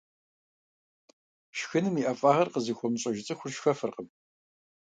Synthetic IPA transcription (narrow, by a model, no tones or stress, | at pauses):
ʃxɨnɨmiʔɐfʼaːʁɐrqəzixʷɔmɕʼɐʒɪt͡sʼɨxʷʊrʃxɐfɨrqəm